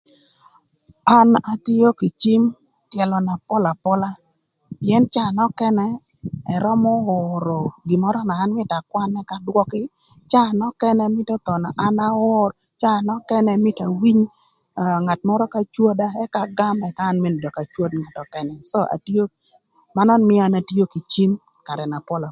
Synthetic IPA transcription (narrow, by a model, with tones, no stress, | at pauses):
a˦na˦ti˦o˦ki˨t͡ʃi˦m | tjɛ˨lɔ˨na˨pɔ˦la˨pɔ˦la˦ | pjɛ˦nt͡ʃa˦˨nɔ˦kɛ˦nɛ˦ | ɛ˨ɾɔ˦mɔ˦ɔ˨ɾɔ˨ɡi˨mɔ˦ɾɔ˦naː˨˦nmɪ˦ta˨kwa˦nɛ˦ka˦dwɔ˦kɪ˦ | t͡ʃaː˦˨nɔ˦kɛ˦nɛ˦mɪ˦tɔ˦t̪ɔ˨na̰˨ʔa˦na˦wɔ˦r | t͡ʃa˦˨nɔ˦kɛ˦nɛ˦mɪ˦ta˨wi˦ɲ˨ | ŋa˨tmɔ˦ɾɔ˦ka˦t͡ʃwo˦da˦ɛ˦ka˦ɡa˦mɛ˨kaː˦nmɪ˦n˨dɔ˨ka˨t͡ʃwo˦dŋa˨tɔ˨kɛ˨nɛ˨so˦ʔa̰˨tjo˦ | ma˦nɔ˦nmɪ˦a˨na˨ti˦o˦ki˨t͡ʃi˦m | ka˨ɾɛ˨na˨pɔ˦la˨